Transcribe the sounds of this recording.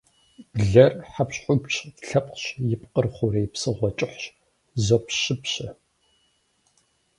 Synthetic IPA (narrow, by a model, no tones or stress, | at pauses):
b̥ɮɐrħapɕħʷʊpt͡ʃʼtɬɐpʼqɕjɪpqərχʷʊɾejpsɨʁʷɔt͡ʃʼɪħʷɕ | zopɕɪpɕɐ